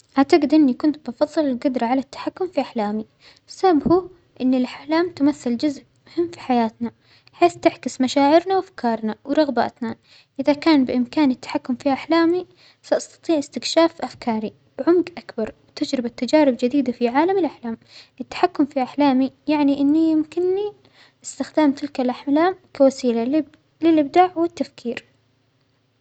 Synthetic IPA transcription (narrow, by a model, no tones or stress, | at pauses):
ʔaʕt̪aɡɪd̪ʔɪnːikʊnt̪̚bɑfɑðˤːɨlɪlɡʊd̪ɾˤɑʕalat̪ːḁħakːʊmfiʔaħlaːmi | sabhu | ʔɪnːɪlʔaħlaːmt̪ʊmaθːɪld͡ʒʊzʔ | mʊhɪmːfi̥ħajaːt̪na | ħeːθt̪ɪħkɪsmaʃaːʕɪɾnawʔafkʰɑːɾˤnawɾˤɑɣba̰ːt̪na | ʔɪðakaːnbɪʔɪmkaːnɪt̪ːḁħakːʊmfiʔaħlaːmi | saʔɑst̪ɑ̥t̪ˤiːʕɪst̪ɪkʃaːfʔafkʰɑːɾi | b̥ʕʊmɡʔakbɑɾˤwt̪ɪd͡ʒɾɪbat̪ːad͡ʒaːɾɪbd͡ʒɪd̪iːd̪afiʕaːlamɪlʔaħlaːmʔɪt̪ːḁħakːʊmfiʔaħlaːmijaʕniʔɪnːijɪmkɪnːi | ʔɪst̪ɪxd̪aːmt̪ɪlkalʔaħmlaːmkawasiːla | lɪlʔɪb̚d̪aːʕwɪt̪ːafkʰiːɾ